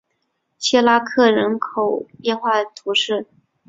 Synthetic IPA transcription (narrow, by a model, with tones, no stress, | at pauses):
t͡ɕʰɛ˥la˥kʰɤ˥˩ɻə˧˥nkʰo˨˩ʊpjɛ˥˧nxwa˥˩t̪ʰu˧˥ʂɻ̩˥˩